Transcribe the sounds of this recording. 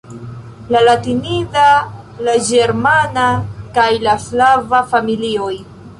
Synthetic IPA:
lalatinida | lad͡ʒeɾmanakajlaslavafamilioj

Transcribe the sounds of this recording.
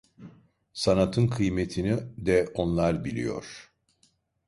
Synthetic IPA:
sanat̪ʰɯnkʰɯjmet̪ʰinid̪ɛo̞nlˠaɾbilʲḭjo̞̰ɾ̥

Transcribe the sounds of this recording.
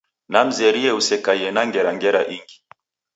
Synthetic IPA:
nam̩zɛɾiɛusɛkaiɛnaŋɡɛɾaŋɡɛɾaʔiŋɡi

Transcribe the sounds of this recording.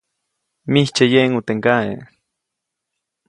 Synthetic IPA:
miht͡ʃejeŋut̪eŋkaḛ

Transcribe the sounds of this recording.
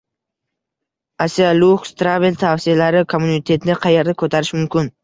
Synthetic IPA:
asialʊχst̪ɾavilt̪ʰafsialaɾɪkʰomːunɪt̪ʰe̞t̪nɪqʰɑjeɾd̪akʰɵt̪ʰaɾɪʃmʊmkʲʰɪn

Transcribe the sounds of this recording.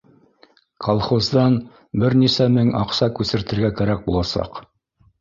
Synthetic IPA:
kʰolˠχozd̪ɑn | bɘɾnisæmɘŋɑqsɑkʉsɘ̆ɾt̪ɘ̆ɾɡækæɾæk̚bulˠɑsɑ̰q

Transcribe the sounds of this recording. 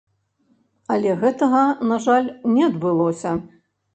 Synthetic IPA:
ɐlʲɛɣɛt̪ɐɣɐnaʐalʲnʲɛɐd̪bɨlˠɔsʲɐ

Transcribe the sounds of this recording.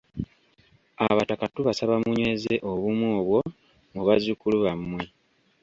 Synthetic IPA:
aβatakatuβasaβamuɲwe̞ze̞ʔo̞βumwoːβwo̞ | ŋuβazukuluβamːwe

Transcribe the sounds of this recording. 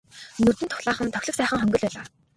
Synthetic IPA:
nɵr̥t̪ɘ̆nt̪ʰʊ̥χɮaːχə̆nt̪ʰœxʲɮɵ̆ksæːχə̆ŋχœŋɡɵ̆ɮpæːɮaː

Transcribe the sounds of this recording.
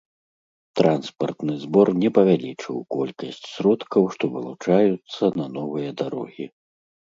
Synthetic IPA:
t̪ɾanspɐ̰rt̪nɨzbɔrnʲɛpɐvʲalʲit͡ʂɨ̰wkɔlʲkɐsʲt͡sʲsʲɾɔt̪kɐwʂt̪ɔvɐlˠut͡ʂajut̪sːɐnɐnɔvɨjɐd̪aɾɔɣʲi

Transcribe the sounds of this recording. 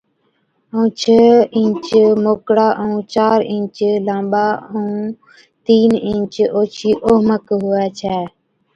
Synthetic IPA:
õːt͡ʃʰəːɪ̃nt͡ʃmoːkɽaːʔũːt͡ʃaːɾɪ̃ːt͡ʃlãːmɓaːəũː | t̪iːnɪ̃ːt͡ʃoːt͡ʃʰiːʔoːməkɦʊɛːt͡ʃʰɛː

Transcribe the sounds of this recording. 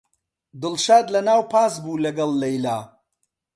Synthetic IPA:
d̪ʊlʃaːd̪lɐnaːwpʰaːsbuːlɐɡɐlˠːɐjlaː

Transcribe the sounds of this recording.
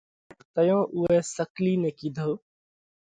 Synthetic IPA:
t̪əjõːʔʊɦeːsəkliːnẽːkiːd̪ʱoː

